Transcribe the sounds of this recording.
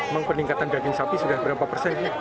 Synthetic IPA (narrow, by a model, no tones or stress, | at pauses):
emaŋpərniŋkat̪andaɡɪŋsapisudahbəɾapapərsɛn